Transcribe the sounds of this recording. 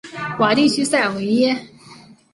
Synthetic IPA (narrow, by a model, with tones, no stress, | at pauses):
wa˨˩t̪i˥˩t͡ɕʰy˥sa˥˩ɪwe˧˥ɪjɛ˥